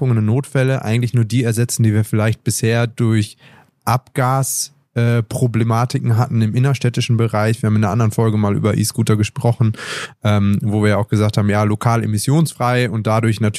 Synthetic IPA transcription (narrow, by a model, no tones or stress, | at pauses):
ʊŋənnoːtfɛləʔa̰ɪɡŋ̩tlɪçnuːɐdiːɛɐzɛt͡sn̩diːviːɐfɪlaɪçt̚b̥ɪsheːɐdʊɐç | ʔapɡ̥aːs | ʔɛːpʁ̥oblemaːtɪkŋ̩ɦatn̩ɪmʔɪnɐʃtɛtɪʃn̩bəʁaɪçv̥iːɐhaːmɪndeːɐʔandəʁənfɔlɡəmaːlʔy̰ːbɐʔḭːsɡ̥uːtɐɡəʃpʁ̥ɔχn̩ʔɛːmvoːviːɐjaaʊxɡ̥əzaːk̚thaːbm̩jaːlokʰaːlḛmɪsjoːnsfʁ̥aɪʊnt̚d̥adʊɐçnatʰ